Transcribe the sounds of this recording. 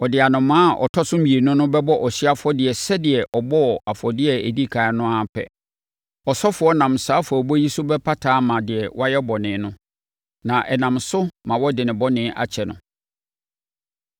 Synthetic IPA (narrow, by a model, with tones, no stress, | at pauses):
ɔ˨dɪ˨a˨nʊ̃˨mãː˦˨ʔɔ̰˨tʰɔ˦sʊ̃˦m̩˦i˨e˨nʊ̃˦nʊ̃˦bɛ˦bɔ˦ʔɔ˨sɥa˦fʊ˦ɔ˦dɪ˨ɛ˨sɛ˦dɪ˨ɛ˨ʔɔ˨bɔ˦˨a˨fɔ˨dɪ˦ɛ˦e˨di˦kʰa˨˦nʊ̃˦a˨pʰɛ̰˨ | ɔ˨sɔ˦fʊ˨ɔ˦nã˨msaː˨˦fʊ˨ɔ˨bɔ˦ji˦sʊ˦bɛ˦pʰa˦tʰaː˨˦mã˨dɪ˨ɛ˨wɔ˦a˦jɛ˦bɔ˨nɪ̃˨˦nʊ̃˦ | nã˨ʔɛ˨nã˨msʊ˦mã˨wɔ˦dɪ˨nɪ̃˨bɔ˦nɪ̃˦ʔa̰˨t͡ɕʰɛ˨nʊ̰̃˨